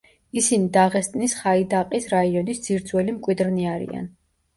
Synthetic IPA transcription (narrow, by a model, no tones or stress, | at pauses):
isinid̪aʁɛst̪ʼnisχaid̪aqʼisɾaiɔnisd̪z̥iɾd̪zwɛlimkʼwid̪ɾniaɾḭa̰n